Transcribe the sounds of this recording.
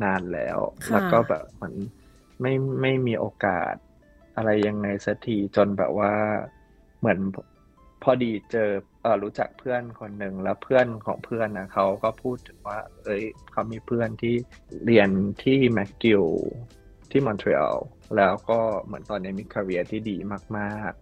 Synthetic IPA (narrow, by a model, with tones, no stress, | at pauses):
naː˧nlɛ̰ː˦˥wlɛː˦˥kɔː˥˩bɛ̰ː˨˩p̚mɯ̰˧˦ən | ma˥˩jma˥˩jmiː˧ʔoː˧ka̰ː˨˩t̪̚ | ʔa˧ɾa˧jːa˧ŋna˧jsa˧t̪ʰiː˧t͡ɕo˧nbɛ̰ː˨˩p̚waː˥˩ | mɯ˩˦ən | pʰɔː˧diː˧t͡ɕɤː˧ | ʔəː˨˩ɾuː˦˥t͡ɕa̰˨˩k̚pʰɯ˥˩ənkʰo˧nːɯ˨˩ŋlɛː˦˥wpʰɯ˥˩ənkʰɔ̰ː˩˦ŋpʰɯ˥˩ənʔa˨˧˩kʰa˦˥wkɔː˥˩pʰuː˥˩t̪ʰːɯ̥˨˩˦ŋwaː˥˩ʔɤ˦˥jkʰa˦˥wmiː˧pʰɯ˥˩ənt̪ʰiː˥˩ | li˧ənt̪ʰiː˥˩mɛ˦˥kːi˧˥w | t̪ʰiː˥˩mɔ˧nt̪ʰɾḭ˧ʔa̰˧w | lɛː˦˥wkɔː˥˩mɯ˩˦ənt̪ɔː˧nːi˦˥˩mi˧kʰːa˧ɾi˦˥ɐt̪ʰiː˥˩diː˧maː˥˩k̚maː˥˩k̚